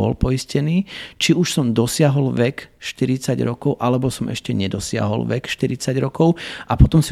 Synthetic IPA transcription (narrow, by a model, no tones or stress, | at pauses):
ɔ̰lpɔiscɛniːt͡ʃiuʃsɔmd̪ɔsɪaɦɔlʋɛkʃt̪iɾit͡saɟɾɔkɔʊʔalɛbɔsɔmʔɛ̰ʃcɛɲɛd̪ɔsɪa̰ɦɔ̰lʋɛkʃt̪iɾit͡saɟɾɔkɔʊapɔt̪ɔmsi